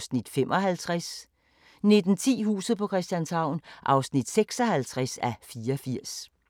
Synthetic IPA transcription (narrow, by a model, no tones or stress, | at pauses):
snid̥fem̰ʔɒ̽ɦælt͡sʰʁas | ne̝d̥n̩t͡sʰḭːɦhṵːsð̩ˠpʰɒ̽kʰʁɛsd̥ænshɑ̈ʊ̰nʔɑ̈ʊsnid̥seɡ̥sɒ̽hælt͡sʰʁɛsæfiːɐɒfiɐ̰s